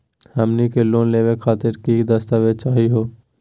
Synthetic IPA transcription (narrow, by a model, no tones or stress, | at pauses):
həmnikeloːnleːwekʰaːt̪ɪɾkid̪əst̪awet͡ʃaːɦiɦoː